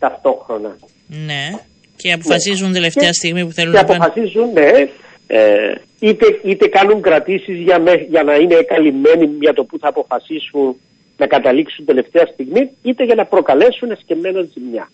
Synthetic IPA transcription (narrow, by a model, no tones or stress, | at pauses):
t̪ɐft̪o̞xɾo̞nɐ | ne | ceɐpofɐsizund̪eleft̪eɐst̪iɣmipuθeluneɐpofɐsizunːe̞ | ḛ | it̪eit̪e̞kɐnuŋkɾɐt̪isizʝɐmeʝɐnɐine̞kɐlime̞nimɲɐt̪o̞puθɐːpo̞fɐsisunː | ɐkɐt̪ɐliksund̪e̞le̞ft̪e̞ɐst̪iɣmiit̪e̞ʝɐnɐpɾo̞kɐle̞sunesceme̞nonzimɲɐ̰